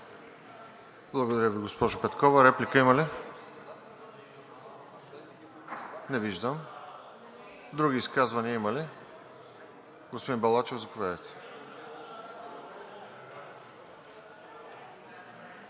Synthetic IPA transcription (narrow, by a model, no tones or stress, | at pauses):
blˠɐɡod̪ɐɾjəviɡospɔʒʊpɛt̪kɔvɐɾɛplikəimɐli | nɛviʒd̪əm | d̪ɾuɡiːskazvɐniɐimɐli | ɡospod̪inbɐlˠat͡ʃɛvzɐpovɛd̪ɛt̪